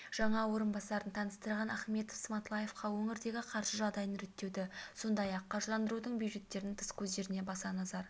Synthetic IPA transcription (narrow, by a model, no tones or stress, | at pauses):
ʒ̥ɑɴɑwo̞ɾənbɑsɑɾənt̪ʰɑnəst̪əɾʁɑnæχme̞t̪ofsmɑt̪lˠɑje̞fqɑwɵŋɪɾd̪e̞ɡʲɪqʰɑɾʃəʒɑʁd̪ɑjənɾet̪ːe̞wd̪ɪso̞nd̪ɑjɑqʰːɑʒəlˠɑnd̪əɾud̪əɴbjujʒe̞t̪ːe̞ɾɪnt̪ʰəskʲʰɵzd̪e̞ɾɪne̞bɑsɑnɑzɑɾ